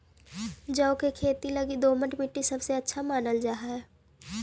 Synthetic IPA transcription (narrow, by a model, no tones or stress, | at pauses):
d͡ʒəõkekʰeːt̪ilɐɡid̪oːməʈmiʈːisɐbseɐtːʃʰamaːnəld͡ʒaːɦaɦɛː